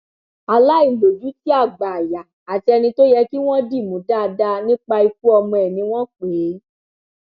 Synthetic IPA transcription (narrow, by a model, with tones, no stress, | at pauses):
a˧la˦i˦˨lo˨d͡ʒu˨˦ti˦a˦˨ɡ͡ba˨ja˨ | a˨ti˧ɛ˧nĩ˧to˦jɛ˧ki˦w̃ɔ̃˦di˦˨mũ˨˦da˦˨˧da˧nĩ˦k͡pa˧i˧k̚u˦ɔ˧mɔ̃˧ɛ˨nĩ˧˦w̃ɔ̃˦k͡pe˨˦